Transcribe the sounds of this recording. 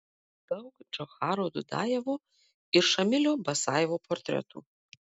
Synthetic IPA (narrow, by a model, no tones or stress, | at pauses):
d̪̥ɐwkd͡ʒɐxaːɾod̪ud̪a̰ːjɛvo | ɪrʃɐmʲɪlʲobɐsaːjɛvopʰort̪ʲɾʲɛ̰t̪ʰṵ